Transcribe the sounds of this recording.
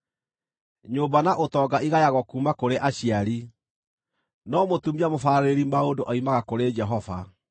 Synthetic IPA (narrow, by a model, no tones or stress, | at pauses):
ɲobanaʔotɔɡaʔiɣajaɣɔkuːmakoɾeʔaɕiaɾi | nɔmotumiamofaɾeɾimaodoʔaimaɣakoɾed͡ʒɛɦɔva̰